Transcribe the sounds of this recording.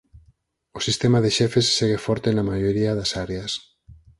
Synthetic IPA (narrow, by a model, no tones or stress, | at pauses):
osist̪emaðeʃɛfesːeɣefɔɾt̪enamaʝoɾiaðasaɾeas